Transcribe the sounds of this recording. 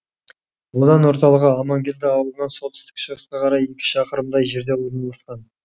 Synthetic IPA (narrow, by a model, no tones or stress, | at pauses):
wo̞d̪ɑnwo̞ɾt̪ɑlˠəʁəɑmɑŋɡʲe̞ld̪ɪɑwəlˠənɑnso̞t̪sɪ̥st̪ɪ̥kʃəʁəsqɑqʰɑɾɑjekʲɪ̥ʃɑqəɾəmd̪ɑjʒe̞ɾd̪e̞wo̞ɾənɑlˠɑsqɑn